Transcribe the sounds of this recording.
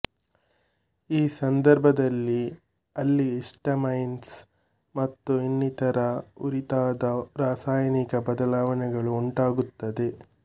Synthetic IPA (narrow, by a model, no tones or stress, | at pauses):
iːsɐnd̪ɐɾbʱɐd̪ɐlːi | ɐlːiɛsʈɐmɐjns | mɐt̪ːuinːit̪ɐɾɐuɾit̪aːd̪ɐɾaːsaːjɐnikɐbɐd̪ɐlaːʋɐnɛɡɐɭuuɳʈaːɡut̪ːɐd̪e̞